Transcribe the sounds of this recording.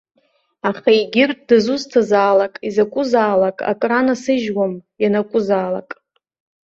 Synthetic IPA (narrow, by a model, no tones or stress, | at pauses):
aχaiɡʲɪrtʼdɨzuztʰazaːlakʼizakʷʼʊzaːlakʼa̰kʼranasɨʒwamjanakʷʼʊzaːla̰kʼ